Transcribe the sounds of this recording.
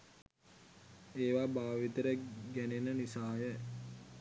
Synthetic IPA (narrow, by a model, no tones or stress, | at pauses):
eːʋabaːʋit̪əɾəɡænenənisaːjə